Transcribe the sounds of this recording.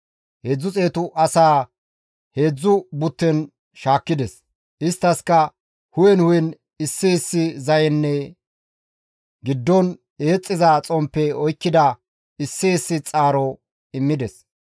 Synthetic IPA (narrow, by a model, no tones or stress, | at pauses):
he̞ːd͡zːʊt͡sʼe̞ːt̪ʊʔɐsaː | he̞ːd͡zːʊbʊt̪ːɛn | ʃaːkːɪd̪ɛs | ʔɪst̪ːɐskɐ | hʊjɛnhʊjɛn | ɪsːɪɪsːɪzɐjɛnːɛ | ɡɪd̪ːɔn | e̞ːt͡sʼːɪzɐt͡sʼɔmpːɛɔjkːɪd̪ɐ | ɪsːiɪsːɪt͡sʼaːɾɔ | ɪmːɪd̪ɛs